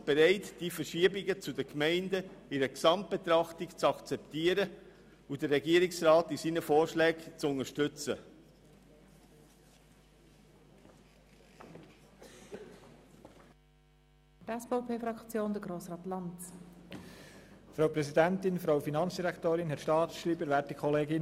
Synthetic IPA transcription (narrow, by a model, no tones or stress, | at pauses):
b̥eɾɛɪtd̥ifəɾʃiəbɪɡət͡sudəkmɛɪndəɪɾəksɑmt̚b̥et̪ɾɑχtɪkt͡sɑkt͡sɛptiːəɾə | udəɾɛɡiəɾɪksɾɑːtisiːnəfoːɾʃlɛːkt͡sʊnəʃtʏt͡sə | tɛspopʰeːfɾɑkt͡sjoːnd̥̪əɡɾoːsɾɑːtlɑnt | fɾɑwpɾɛsidæntɪnfɾawfinɑnt͡sd̥iɾækt̪oːɾɪnɦɛtʃtɑːtsʃɾiːbəɾʋæːtikʰχɔleːɡɪn